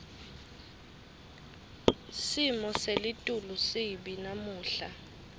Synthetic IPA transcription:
simɔselɪtʼulusɪbinamuːɬa

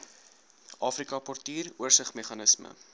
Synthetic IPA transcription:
ʔɑːfrikɐpɔrtiːruərsəχmeχɐnəsmə̰

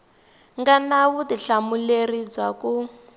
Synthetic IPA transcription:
ŋɡanawudiɬamulerid͡zaku

